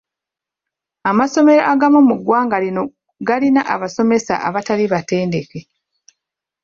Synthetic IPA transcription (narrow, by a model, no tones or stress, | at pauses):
amaso̞me̞ɾa̰ʔaɡamomuɡwaːŋɡalino̞ | ɡalinaʔaβaso̞me̞sa̰ʔaβataliβate̞ːndeke̞